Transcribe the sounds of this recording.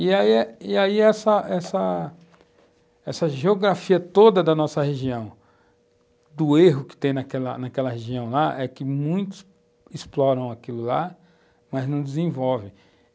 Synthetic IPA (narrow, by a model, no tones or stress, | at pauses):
iaiiaiɛsɐʔɛsɐ | ɛsɐʒeoɡɾafiɐt̪od̪ɐd̪ɐnɔsɐheʒiɐ̃w̃ | d̪ʊeɦʊkɪ̥t̪ẽj̃nɐkɛlɐ̰nɐkɛlɐɦeʒiɐ̃w̃laʔɛkɪmũj̃t̪ʊ̥s | ɪsplɔɾɐ̃w̃akilʊla | mɐznɐ̃w̃d͡ʒ̪ɪzẽvɔwvɪ̃